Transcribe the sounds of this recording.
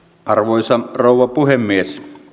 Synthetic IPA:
ʔɑrʋoisɑroˑuwˑɑpuhemːies

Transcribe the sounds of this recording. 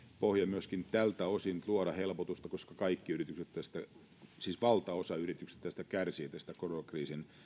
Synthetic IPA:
pohjɑmyøskint̪ælt̪æosint̪luoɾɑhelpot̪ust̪ɑkoskɑkɑikːiyrit̪ykset̪t̪æst̪æ | siːsʋɑlt̪ɑosɑyrit̪ykse̥t̪t̪æst̪ækærsieːt̪æst̪ækoronɑkriːsin

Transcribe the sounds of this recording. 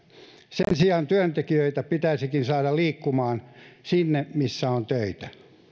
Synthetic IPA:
sensiɑːnt̪yænt̪ekiøit̪æpit̪æisikinsɑːdɑliːkːumɑːnsinːemisːæont̪øit̪æ̥

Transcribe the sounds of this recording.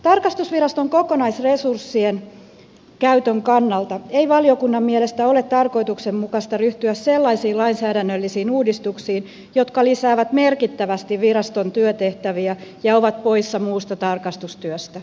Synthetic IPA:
t̪ɑrkɑst̪usʋiɾɑst̪oŋkokonɑisresursːien | kæyt̪øŋkɑnːɑlt̪ɑeiʋɑliokunːɑmmielest̪æolet̪tɑrkoit̪uksemmukɑst̪ɑryht̪yæsselːɑisiːlɑinsæːdænːølːisiːnuːdist̪uksiːn | jo̞t̪kɑlisæːʋæt̪merkit̪ːæʋæst̪iʋʋirɑst̪ont̪yøt̪eht̪æʋiæjɑoʋɑt̪̚po̞isːɑmuːst̪ɑt̪ɑrkɑst̪ust̪yøst̪æ

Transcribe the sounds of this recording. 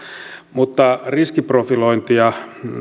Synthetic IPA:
mut̪ːɑriskiprofiloint̪iɑ

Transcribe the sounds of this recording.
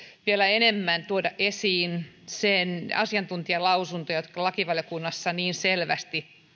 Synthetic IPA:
ʋielæenemːænt̪uodɑʔʔesiːn | senɑsiɑnt̪unt̪iɑlɑusunt̪ojot̪kɑlɑkiʋɑljokunːɑsːɑniːnselʋæ̰st̪i

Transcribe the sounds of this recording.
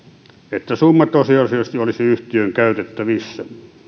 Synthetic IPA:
et̪ːæsumːɑt̪osiɑsiɑst̪iolisiyht̪iøŋkæyt̪et̪ːæʋisːæ

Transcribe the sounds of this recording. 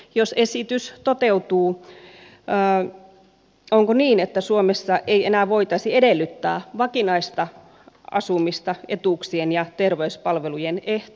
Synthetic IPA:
josesit̪yst̪ot̪eut̪uː | ə | oŋkoniːnet̪ːæsuomesːɑʔeienæːʋoit̪ɑsiedelːyt̪ːæ̰ːʋɑkinɑist̪ɑ | ɑ̰sumist̪ɑet̪uksienjɑt̪erʋeyspɑlʋelujeneht̪

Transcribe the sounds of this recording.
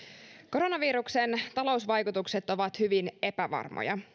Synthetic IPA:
ko̞ɾo̞nɑʋiːɾukse̞nt̪ɑlo̞usʋɑjkut̪ukse̞t̪o̞ʋɑt̪hyʋine̞pæʋɑ̰rmo̰jɑ̰

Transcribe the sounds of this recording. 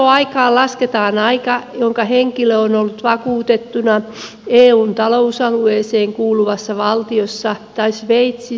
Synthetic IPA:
oɑikɑːllɑsket̪ɑːnɑikɑjoŋkɑheŋkiløonolːut̪ʋɑkuːt̪et̪ːunɑ | eːuːnt̪ɑlousɑlueːseːŋkuːluʋɑsːɑʋɑlt̪iosːɑt̪ɑisʋeit̪si

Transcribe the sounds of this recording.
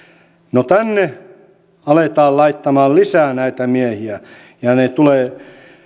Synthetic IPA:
not̪ænːe | ɑlet̪ɑːllɑit̪ːɑmɑːllisæːnæit̪æmiæhiæ | jɑnet̪uleː

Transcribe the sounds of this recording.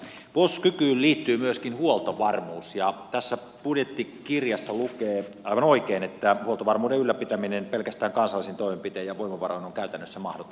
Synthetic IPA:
ʋoskykyːlliːt̪ːyːmyøskinhuolt̪oʋɑrmuːsjɑt̪æsːæ | pudjet̪ːikirjɑsːɑlukeː | ɑiʋɑnoikeinet̪ːæhuolt̪oʋɑrmuːdeylːæpit̪æminenpelkæst̪æːŋkɑnsɑlːˑisint̪oimempit̪eːjɑʋoimɑʋɑroinoŋkæyt̪ænːøsːæmɑ̰hdot̪o

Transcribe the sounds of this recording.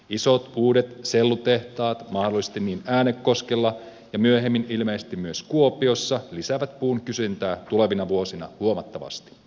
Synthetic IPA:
iso̞t̪uːde̞t̪selːut̪eht̪ɑːt̪mɑhdolːˑise̥st̪inːiːnæːnekːo̞skelːɑ | jɑmyøɦemːinilmeːse̥st̪immyøskuo̞pio̞sːɑlisæʋæt̪̚puːnkysynt̪æːt̪ule̞ʋinɑʋuo̞sinɑ̰huomɑt̪ːɑʋɑ̰st̪i̥

